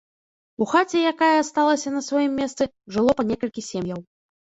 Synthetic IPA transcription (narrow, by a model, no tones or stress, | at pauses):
uxat͡sʲɛjakajɐst̪alˠɐsʲɐnɐsvajimːʲɛst̪sɨ | ʐɨlˠɔpɐnʲɛkɐlʲkʲisʲemjɐw